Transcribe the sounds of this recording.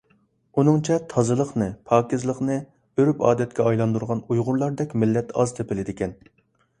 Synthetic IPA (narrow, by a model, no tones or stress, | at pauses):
unɨŋt͡ʃʰɛt̪ʰɑzɨlˠəχnɨpʰɑːkʲɪzlˠəqnɨ | øɾypɑ̰ːd̪ɛt̪̚kʲɛɑjlˠɑnd̪uɾʁɑnujʁʊɾlˠɑɾd̪ɛkʲmɪlːɛt̪ɑz̥t̪ʰepɪlɪd̪ɪkʲɛn